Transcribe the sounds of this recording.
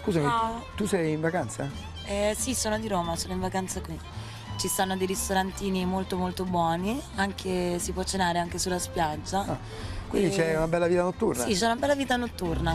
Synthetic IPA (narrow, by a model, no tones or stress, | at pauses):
skuːzamit̪usɛjiɱvakant̪sa | ɛsisoːnod̪iɾoːmasoːnoiɱvakant̪sakwi | t͡ʃist̪anːod̪ejɾist̪oɾant̪iːnimolt̪omolt̪obwɔːniaŋk̟ʰesipwɔt͡ʃːenaːɾeaŋk̟esulːaspjad͡ʒːa | kwind̪it͡ʃɛunabɛlːaviːt̪anot̪ːurnasit͡ʃɛunabɛlːaviːt̪anot̪ːurna